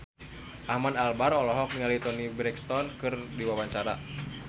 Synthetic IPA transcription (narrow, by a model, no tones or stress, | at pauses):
ʔahmanalbaɾɔlɔɦɔk̚niŋalit̪ɔnibɾɛkst̪ɔnkɨrdiwawaɲt͡ʃaɾa̰